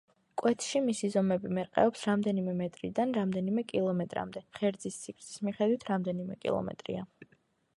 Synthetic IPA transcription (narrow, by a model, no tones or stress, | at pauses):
kʼwɛt̪ʰʃimisizɔmɛbimɛɾqʼɛ̰ɔpsɾamd̪ɛnimɛmɛt̪ʼɾid̪anɾamd̪ɛnimɛkʼilˠɔmɛt̪ʼɾa̰md̪ɛχɛɾd̪zist̪sʰikʰɾsʰʼi̥smiχɛd̪wit̪ʰɾamd̪ɛnimɛkʼḭlˠɔ̰mɛ̰t̪ʼɾḭa